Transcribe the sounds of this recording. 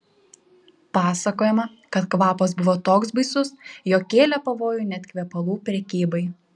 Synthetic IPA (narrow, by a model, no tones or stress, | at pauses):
pɑːsɐkoːjɛmɐ | kɐt̪kʋɑːpɐsbʊʋoːt̪oːksbɐɪsʊsjoːkʲeːlʲɛpɐʋoːjʊːnʲɛt̪ʲkʲʋʲɛpɐlˠuːpʲɾʲɛkʲiːbɐɪ